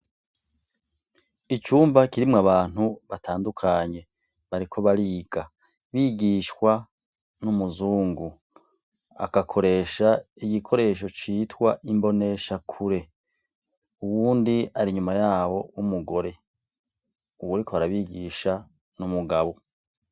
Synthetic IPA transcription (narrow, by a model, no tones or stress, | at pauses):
it͡ʃuːmbakiɾimŋaβaːn̥huβatʰaːndukʰaɲe̞ | βaɾikʰo̞βaɾiːɡ̥a | βiːɡiːʃwa | numuzuːŋɡu | a̰kakʰo̞ɾe̞ːʃa | iɡikʰo̞ɾe̞ːʃo̞t͡ʃiːtwaʔimbo̞ne̞ʃakʰuɾe̞ | uwuːndiaɾiɲumajaːwo̞umuɡo̞ɾe̞ | uwuɾikʰoaɾaβiːɡiːʃa | numuɡaβo̞